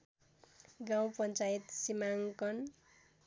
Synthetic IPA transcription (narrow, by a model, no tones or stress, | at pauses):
ɡawpʌnt͡sajit̪simaŋkʌn